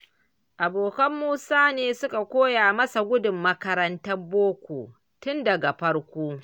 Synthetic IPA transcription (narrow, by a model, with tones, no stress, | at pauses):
ʔa˨boː˨kɐ˦mːuː˦saː˦neː˨sʊ˦ka˨kʷoː˦jaː˨mɐ˦sa˨ɡʷʊ˦dʊ˨mːɐ˦kɐ˦ɾɐ˦ntɐ˦boː˦kʷo̰ː˨ | tʊ˦ndɐ˨ɡa˨ɸɐ˦ɽkʷuː˦